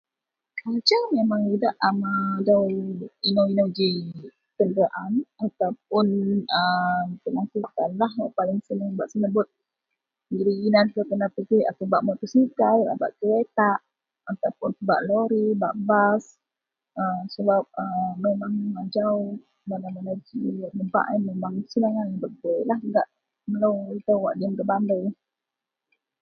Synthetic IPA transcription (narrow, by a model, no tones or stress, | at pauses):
kad͡ʒawmemaŋidaʔamadawinawinad͡ʒi | k̪əndɾaʔanat̪awp̚ʊnəmt̪əlaŋkukanlahaʔpalɪŋsənaŋbaʔsənəbʊt̪̚ | iɾiɡinank̪əkənapəɡiat̪awbaʔmot̪usikajla̰ba̰ʔkəlet̪aʔ | at̪awpʊnba̰ʔloɾiba̰ʔbas | əsəbap̚əmemaŋad͡ʒaʊ | dalamanad͡ʒiaəba̰ʔanmemaŋsənaŋanbəɡəjlahŋɡaʔ | məlowit̪əwwa̰ʔdiəmɡəbandəj